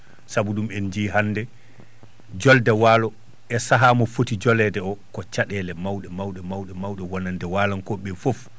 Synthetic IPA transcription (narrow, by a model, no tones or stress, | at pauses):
sabuɗumɛnd͡ʒiɦanːdɛ | d͡ʒɔldɛwaːlɔ | ɛsaɦamɔfotid͡ʒɔlɛdɛɔkɔt͡ʃaɗɛlɛmawɗɛmawɗɛmawɗɛmawɗɛwɔnandɛwaːlankɔɓɛfof